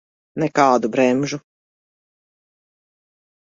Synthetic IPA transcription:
nɛkɑːd̪ubɾɛmʒu

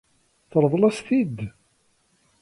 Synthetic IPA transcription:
θəɾˤvˤlæsθid̪

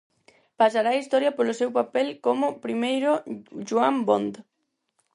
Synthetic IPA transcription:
pasaɾaist̪ɔɾjɐpolʊsewpapɛlkomʊpɾimejɾʊʃuambond̪

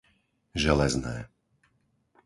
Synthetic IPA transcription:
ʒɛlɛznɛ̰ː

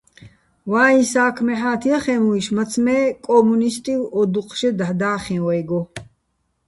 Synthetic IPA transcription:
waːĩsaːkʰmɛħaːt̪ʰiɐχɛmuiʃmɐt͡sʰmɛːkʼɔmunist̪ʼilɔd̪uqʰʼʃɛd̪aħd̪aːχĩwɛjɡɔ

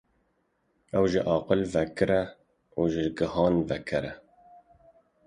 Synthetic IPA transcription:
ɛwʒɪʔɑːqɨlvɛkʰɨɾɛ | uːʒɪlɡɨhɑːnvɛkʰɨɾɛ

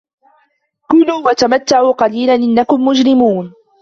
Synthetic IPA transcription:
kʊluːwat̪amat̪ːaʕuːqɑliːlanʔɪnːakʊmːʊd͡ʒɾɪmuːn

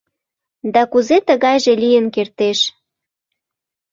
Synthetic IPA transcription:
d̪ɑkuzet̪əɣɑjʒelijənkert̪eʃ

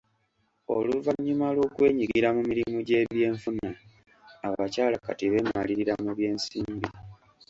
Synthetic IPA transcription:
o̞̰luvaɲːumalwo̞kwe̞ːɲiɡiɾamumiɾimuɟe̞βje̞ːɱfunaː | βacaːlakatiβe̞maliɾiɾamuβje̞ːnsiːmbi

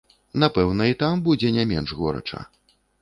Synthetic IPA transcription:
napɛwnɐit̪ambud͡zʲɛnʲamʲɛnʐɣɔɾɐ̰t͡ʂɐ̰

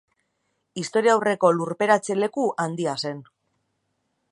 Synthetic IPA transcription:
ist̪o̞ɾiawre̞ko̞luɾpe̞ɾat͡se̞le̞kuʔand̪iase̞n

